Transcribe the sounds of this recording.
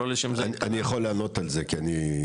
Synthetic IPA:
oliʃemznianijaχolːeano̞t̪alze̞kiani

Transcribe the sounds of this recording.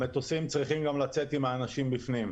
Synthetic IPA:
met̪osimt͡sʁiχimɡamlat͡se̞t̪imaːnaʃimbifnim

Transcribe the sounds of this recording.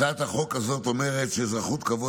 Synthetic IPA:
at̪aχo̞kazo̞t̪o̞meʁetʃezʁaχut̪kavo

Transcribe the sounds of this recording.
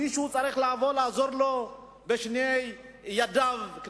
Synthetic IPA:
iʃut͡sʼaɾiχlaavolaazoɾlo | bɛʃnej | jad̪avk

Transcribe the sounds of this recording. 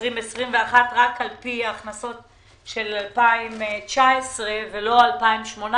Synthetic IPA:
ʁimesʁimveaχatʁakalpiaːχnaso̞t | ʃe̞lalpaimt͡ʃaesʁevelo̞alpaimʃmo̞na

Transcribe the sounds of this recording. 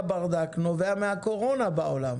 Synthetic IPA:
baʁd̪aknoveamehakoʁo̞nabaolam

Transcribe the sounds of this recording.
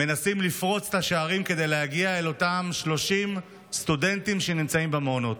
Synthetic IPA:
me̞nasimlifʁo̞t͡se̥t̪aʃeaʁimke̞de̞jlehaɡiaelo̞tamʃlo̞ʃim | st̪ude̞ntimʃe̞nimt͡saimbemonot̪

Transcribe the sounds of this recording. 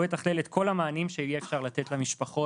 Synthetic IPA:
vetaχlelet̪kʰo̞lamaːnimʃeijeːfʃaʁlatetlamiʃpaχo̞

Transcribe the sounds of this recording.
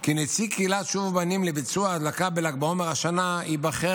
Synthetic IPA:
kinet͡sikeilatʃuvbanimlebit͡suaːd̪lakabelak̚beomeʁaʃanaibaχe

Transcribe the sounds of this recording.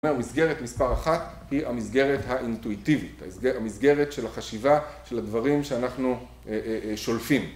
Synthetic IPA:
meʁmisɡe̞ʁetmispaʁaχat̪ | hia̰misɡe̞ʁetɦaʔintuit̪ivitamisɡe̞ʁetʃe̞laχaʃivaʃeladvaʁimʃeanaχnu | eʃo̞lfim

